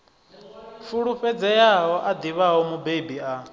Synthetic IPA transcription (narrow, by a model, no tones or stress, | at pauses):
fuɺuɸɛd͡zɛjaɦɔʔad̪iβaɦɔmubebia